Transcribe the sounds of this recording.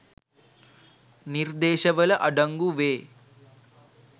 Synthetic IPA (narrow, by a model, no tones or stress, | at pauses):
niɾd̪eːʃɐʋɐlɐʔɐɖɐŋɡuʋeː